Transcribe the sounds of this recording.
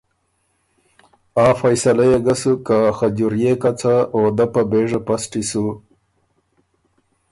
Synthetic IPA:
ɑːfajsalajeɡasukaxad͡ʒuɾjekat͡saod̪apabeʐapasʈisu

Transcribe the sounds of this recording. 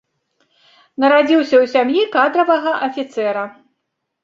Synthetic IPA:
nɐɾad͡zʲiwsʲɐwsʲamjikad̪ɾɐvɐɣɐʔɐfʲit̪sɛɾɐ

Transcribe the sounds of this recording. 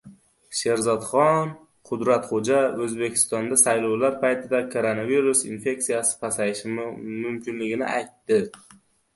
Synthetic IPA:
ʃe̞ɾzɒt̪χɒn | qʰʊd̪ɾat̪χod͡ʒaɵzbe̞kʲʰɪ̥st̪ɒnd̪asajlɒwlaɾpʰajt̪ʰɪd̪akʰoɾonaviɾʊsḭnfe̞ksijasɪ̥pʰasajɪʃɪmmʊmkʲʰɪnlɪɡʲɪnɪ̰ʔajt̪ːɪ

